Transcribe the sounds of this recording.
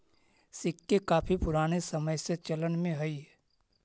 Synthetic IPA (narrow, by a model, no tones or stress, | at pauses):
sɪkːekaːpʰipʊɾaːñesɐməjset͡ʃələnmẽɦɐi